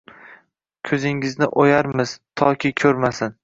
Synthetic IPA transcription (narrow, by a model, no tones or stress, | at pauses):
kʲʰɵzɪŋɪznɪʔojaɾmɪz̥t̪ʰɒkʲɪkʲʰɵɾmasɪn